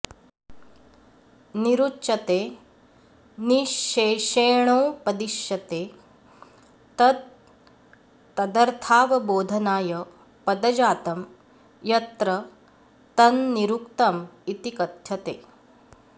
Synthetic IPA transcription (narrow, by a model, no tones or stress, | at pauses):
niɾutːʃɐt̪eː | niʃːeːʃeːɳ̃ɐwpɐd̪iʃjɐt̪eː | t̪ɐt̪ | ɐd̪ɐɾt̪ʰaːʋɐboːd̪ʱɐnaːjɐ | pɐd̪ɐd͡ʒaːt̪ɐm | jɐt̪ɾɐ | t̪ɐnːiɾukt̪ɐmit̪ikɐt̪jɐt̪eː